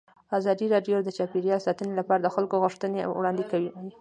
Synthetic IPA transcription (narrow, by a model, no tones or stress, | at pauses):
ɑzɑd̪iɾɑɖjod̪ət͡ʃɑpiɾjɑlsɑt̪ənelapɑɾad̪əxalkoɣʊʂt̪ənewɽɑnd̪ekawiji